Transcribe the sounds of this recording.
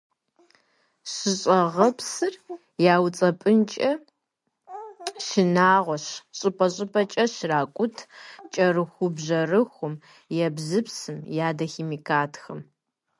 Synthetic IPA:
ɕɪɕʼɐʁɐpʰsɨr | jaːwt͡sʼɐpʼɨnt͡ʃʼɐ | ʃɪnaːʁʷɔɕɕʼɨpʼɐɕʼɪpʰʼɐt͡ʃʼɐɕraːkʷʼʊtʰt͡ʃʼɐrɨxʷʊbʑɐrɨxʷʊm | jɛbzɨpsɨmjaːdɐxeːmiːkʰaːtʰxɐm

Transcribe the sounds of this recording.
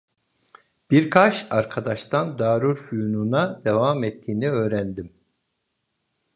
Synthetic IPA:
b̥iɾkʰat͡ʃaɾkʰad̪aʃt̪ʰand̪aːɾuɾfyjununad̪evamɛt̪ʰːiːniø̞ːɾænd̪im

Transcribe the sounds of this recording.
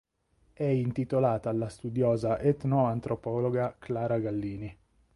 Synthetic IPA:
ɛint̪it̪olaːt̪alːast̪ud̪joːzaʔet̪noant̪ɾopɔːloɡaklaːɾaɡalːiːni

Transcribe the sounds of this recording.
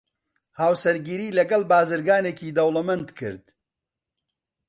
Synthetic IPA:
haːwsɐɾɡiːɾiːlɐɡɐlbaːzɨɾɡaːneːkiːd̪ɐwlɐmɐnd̪kʰɨ̰ɾd̪̥

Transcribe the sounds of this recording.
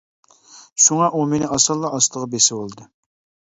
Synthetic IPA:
ʃuŋɑʔumenɪɑsɑlˠːɑɑst̪əʁɑbesɪwolˠd̪ɨ

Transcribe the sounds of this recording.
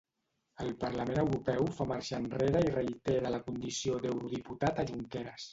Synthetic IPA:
əlˠpəɾləmenəwɾupɛwfamaɾʃanreɾəirəit̪eɾələkund̪isiod̪əwɾuð̞iput̪at̪əʒuŋkɛɾəs

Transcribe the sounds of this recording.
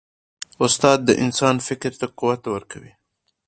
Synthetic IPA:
ʊst̪ɑd̪̚ːəʔɪnsɑnfɪkɾt̪aquwat̪ːwəɾkʰawi

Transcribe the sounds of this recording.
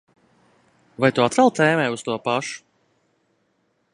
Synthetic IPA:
vajt̪uat̪vɛlˠt̪ɛːmɛːust̪uɔpaʃu̥

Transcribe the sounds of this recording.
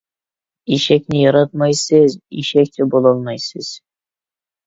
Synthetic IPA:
iʃæknɪjɑɾɑt̪̚mɑjsɤzḭʃæk̚t̪ɪbolˠɑlˠmɑjsɘz̥

